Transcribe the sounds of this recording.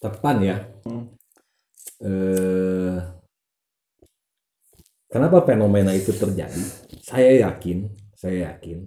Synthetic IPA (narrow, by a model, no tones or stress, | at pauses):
t̪əpanja | ə | kənapafenomenait̪ut̪ərd͡ʒa̰disajajakɪnsajajakɪn